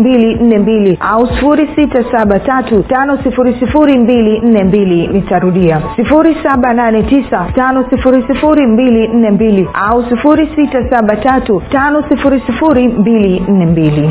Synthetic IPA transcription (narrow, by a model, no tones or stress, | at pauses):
mbilin̩nɛmbiliʔausi̥fuɾisitasaɓatatutanɔsifuɾisifuɾimbilin̩nɛmbilinitaɾuɗiasifuɾisaɓananɛtisatanɔsifuɾisifuɾimbilin̩nɛmbilia̰usifuɾisitasaɓatatutanɔsifuɾisifuɾimbilin̩nɛmbili